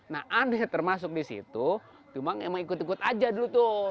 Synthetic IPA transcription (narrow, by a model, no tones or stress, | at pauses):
nahʔanɛt̪ərmas̬ʊk̚disḭt̪u | t͡ʃumaŋḛmaŋikʊt̪ikʊt̪ad͡ʒadulut̪ʊ